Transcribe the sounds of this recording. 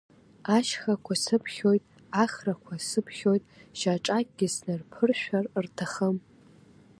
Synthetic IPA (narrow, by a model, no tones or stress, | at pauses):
aʃχakʷʰasɨpʰχʲo̞jtʼ | aχrakʷʰasɨpʰχʲo̞jtʼʒaʈ͡ʂʼakʼɡʲɪsnɨrpʰɨrʃᶣarrtʰaχəm